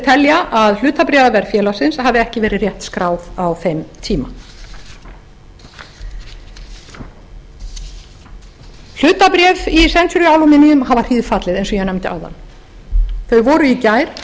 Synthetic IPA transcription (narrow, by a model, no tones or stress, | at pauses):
t̪ʰɛljaʔaðl̥ʏːt̪apɾɛːðavɛɾ̥fjɛːlasɪnshavðɪɛhcɪvɛːɾɪrjɛht̪skɾaːwðawfemt̪ʰiːma | l̥ʏːt̪apɾjɛːvisɛnt̪sʏɾʏaːwlɔmɪniʏmɦavar̥iːðfat̪lɪðejnsɔjɛnɛmt̪ɪʔa̰wða̰nː | θœɥvɔːɾʏicaːjɾ̥